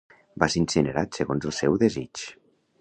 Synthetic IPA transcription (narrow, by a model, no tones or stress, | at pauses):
baseinsinəɾat̪səɣonzəlˠsɛwðezit͡ʃ